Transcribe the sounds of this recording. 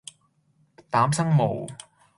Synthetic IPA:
t̪aː˨˥msɐ˥ŋmo˨˩w

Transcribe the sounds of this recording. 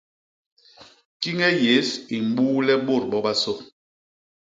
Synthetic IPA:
ki˦ŋɛ˦je˨˦si˨m̩˦ɓuː˦lɛ˦ɓo˦˨ɾɓɔ˦ba˦so˦

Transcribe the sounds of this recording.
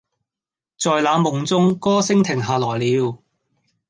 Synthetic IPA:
t͡sɔː˨jlaː˨˧mʊ˨˩ŋt͡sʊ˥ŋkɔː˥sɪ˥ŋt̪ʰɪ˨˩ŋɦaː˨˩lɔː˨˩jliː˨˧w

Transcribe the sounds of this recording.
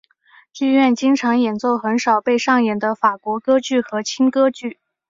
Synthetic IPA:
i˥˧ɥɛ˥˩nt͡ɕi˥ŋʈ͡ʂʰɑ˧˥ŋjɛ˨˩nt͡so˥˩ʊxə˧˥nʂɑ˨˩ʊpe˥˧ɪʂɑ˥˩ŋjɛ˨˩nd̪ə˦fa˨˩kwɔ˧˥kɤ˥t͡ɕy˥˩xɤ˧˥t͡ɕʰi˥nkɤ˥t͡ɕy˥˩

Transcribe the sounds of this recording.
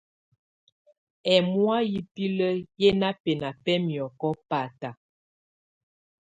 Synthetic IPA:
ɛ˨mwa˦ji˨pi˦lə˦jɛ˦na˦pɛ˨na˨pɛ˦mjɔ˨kɔ˦pa˨ta˨

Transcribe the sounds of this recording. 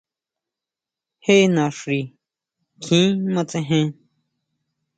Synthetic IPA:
he˦˧nã˨ʂɾi˨ | kʰĩː˨˦mã˧t͡sẽ˧ɦẽ˦˧

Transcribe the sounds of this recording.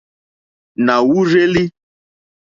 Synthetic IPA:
na˨wu˦ɾe˦li˦

